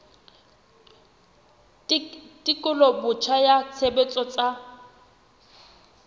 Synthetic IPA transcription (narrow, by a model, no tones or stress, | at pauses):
tʼikʼʊlobʊt͡ʃʰajat͡sʰebet͡sʼɔt͡sʼa